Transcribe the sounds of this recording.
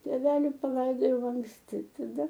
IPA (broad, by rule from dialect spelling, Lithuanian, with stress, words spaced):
tʲeːˈʋʲæːlʲɪ pɐˈlˠɐɪdoːjɛʊ ɐŋksʲˈtʲɪ tɐˈdɐ